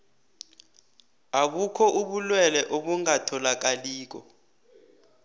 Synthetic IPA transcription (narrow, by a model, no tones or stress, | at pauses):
akukʰɔʔuɓulwɛlɛʔoɓuŋatʰɔlak̬aliːk̬ɔ̰